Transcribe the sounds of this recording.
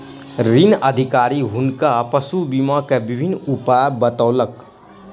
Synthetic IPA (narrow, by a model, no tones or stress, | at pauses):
ɾinəd̪ʱikaɾiɦunkapəsubimakebibʱinːupabət̪aʊlək